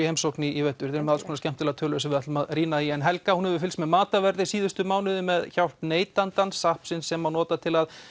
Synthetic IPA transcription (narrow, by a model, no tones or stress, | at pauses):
ihejmsowknɪivɛt̪ːʏɾ̥θɛɾʏmɛðalskʰoɔnscɛm̥t̪ʰːɪlaðt̪ʰœːlʏsɛvɪat̪lʏmaðriːnaiɛnɦɛlkahunhɛvʏfɪlsmɛðmaːt̪avɛɾðɪsiːðʏst̪ʏmaːwnɪðʏmɛðçawr̥t̪neːjt̪ant̪ansahpsɪnsːɛmːawnɔːt̪at̪ʰɪlað